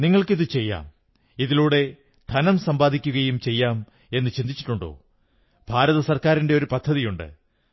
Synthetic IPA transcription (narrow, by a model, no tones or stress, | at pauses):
niŋːɐɭkiðɨt͡ɕe̞jːa̰ːm | iðiluːɽe̞ | d̪ʱɐnɐmsɐmbaːd̪ʱikʲːuɣɐjumt͡ɕe̞jːaːm | e̞nːɨt͡ɕind̪it͡ɕːi̥ʈːuɳɖo̞̰ː | bʱaːɾɐðɐsɐrkaːɾinde̞o̞ɾupɐd̪ʱːɐðijuɳɖɨ̰